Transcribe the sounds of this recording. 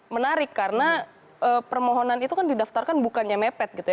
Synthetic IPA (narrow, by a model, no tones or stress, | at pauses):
mənaɾɪkːaɾəna | əːpərmoɦonanit̪ukandidaft̪arkanbukanɲamɛpɛt̪̚ɡit̪uja